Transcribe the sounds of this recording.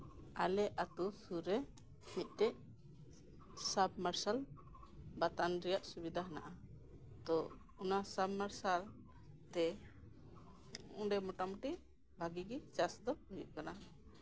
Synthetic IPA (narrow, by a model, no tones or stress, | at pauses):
alɛat̪usuɾɛ | mit̪̚ˀt̪ɛʔ | sab̚maɾsal | bat̪anɾɛjaʔsubid̪ʱaɦna̰ʔa | t̪ɔ | unasabmaɾsal | t̪ɛ | ɔ̃ɖɛmɔʈamuʈi | bʱaɡiɡit͡ʃasd̪ɔhujṵʔ̚kana